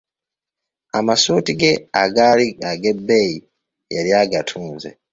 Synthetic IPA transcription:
amasuːtiɡe̞aɡaliaɡe̞bːei | jaɾjaɡatʰuːnzḛ

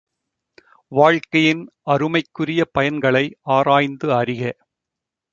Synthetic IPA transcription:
ʋaːɻkɐjɪn | ɐɾɯmɐɪkːɯrɪjɐpɐjɐnɡɐɭɐɪaːɾaːjnd̪ɯɐɾɪɣɐ

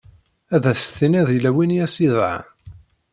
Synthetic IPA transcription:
æðæθθinæðilæwinjæsiðʕa̰

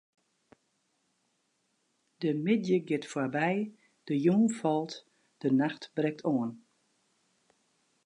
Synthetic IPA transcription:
d̥əmɪdjəɡɪtfwabɛj | d̥əjuːnfɔlˠt | d̥ənaxtbrɛk̚tʰɔːən

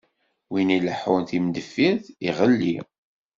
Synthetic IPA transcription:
winiləħunθimd̪əfːiθiʁəlːi

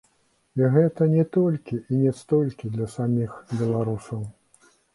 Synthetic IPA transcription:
iɣɛt̪ɐnʲɛt̪ɔlʲkʲiʔinʲɛst̪ɔlʲkʲid̪lʲɐsamʲixbʲɛlˠaɾusɐw

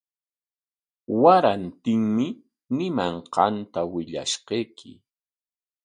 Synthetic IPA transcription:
waɾant̪ɪŋmɪ | nɪmaɴqɑnt̪awɪʎa̰ʃqejkʰɪ̰

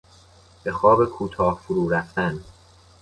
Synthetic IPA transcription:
b̥e̞xɒːbekʰuːt̪ʰɒːhfuɾuːɾæft̪æn

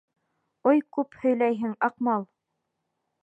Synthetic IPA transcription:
ojkʉphɵ̆jlæjɦɘŋɑqmɑlˠ

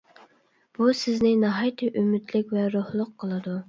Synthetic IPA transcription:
b̥usɪznɪnɑɦɑjt̪ʰɨʔymɪt̪lɪkʲvɛɾohlˠʊqʰːəlˠɨd̪u

